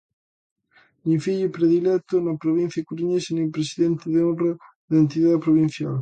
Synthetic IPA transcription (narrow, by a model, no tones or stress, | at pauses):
nifiʎopɾeðilɛt̪onapɾoβin̟θjakuɾuɲesenelpɾesiðent̪eðeonro | ðent̪̬iðaðpɾoβ̞in̟θjal